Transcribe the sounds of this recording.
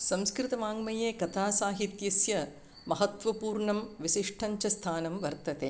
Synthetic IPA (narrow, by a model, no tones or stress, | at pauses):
sɐmskɾɪt̪ɐmaːŋmɐjeːkɐt̪ʰaːsaːɦit̪jɐsjɐ | mɐɦɐt̪ʋɐpuːɾɳɐmʋisiʂʈʰɐɲt͡ʃɐst̪ʰaːnɐmʋɐɾt̪ɐt̪ḛː